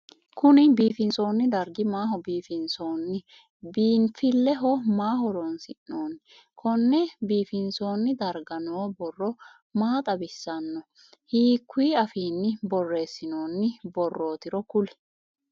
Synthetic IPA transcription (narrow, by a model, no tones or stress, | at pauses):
kʊnɪbiːfɪnso̞ːnːɪd̪ɐɾɡɪmaːɦɔbiːfɪnsoːnːɪ | biːnfɪlːɛɦɔmaːɦɔɾonsɪʔnoːn | kʰɔnːɛbiːfɪnso̞ːnːɪd̪ɐɾɡɐnoːbɔrːɔ | maːt̪ʼɐbɪsːɐnːɔ | hiːkːwiːɐfiːnːɪbɔrːe̞ːsːɪnoːnːɪbɔrːo̞ːt̪ɪɾɔkʊlɛ̥